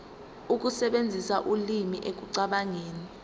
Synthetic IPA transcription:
uk̬usɛɓend͡zʱisaʔulimiʔek̬uǀaɓaŋeːni

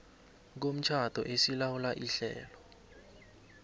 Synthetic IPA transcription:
k̬om̩t͡ʃʰad̥ʱɔ̰ʔesilawulaʔiɬɛ̰ːlɔ

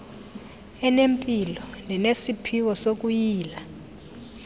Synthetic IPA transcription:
ɛnempʼilɔnɛnesipʰiwɔsok̬ʼujiːla

